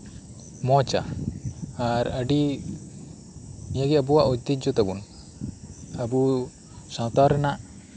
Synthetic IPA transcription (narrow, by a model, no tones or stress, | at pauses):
mɔt͡ʃa̰ | aɾaɖi | mijaɡɛabuwaʔɔd͡ʒd̪id͡ʒɔt̪abun | abu | sãt̪aɾɛnaʔ